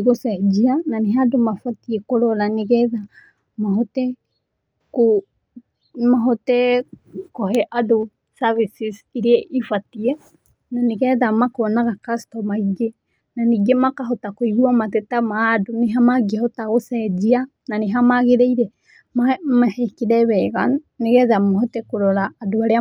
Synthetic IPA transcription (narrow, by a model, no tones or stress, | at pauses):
ɣosɛd͡ʒiananeɦadomafatiɛkoɾɔlaneɣɛða | maɦɔtɛ | ko | maɦɔtɛkɔhɛʔado | savisisiɾeɛʔifatiɛ | naneɣɛðamakonaɣakastɔmaiɡe | naniɡemakaɦotakoiɣuamatɛtamadoneɦamaɡehɔtaɣosɛd͡ʒia | naneɦamaɣeɾɛiɾɛ | mamahekiɾɛβɛɣa | neɣɛðamaɦɔtɛkoɾɔɾaːdoaɾea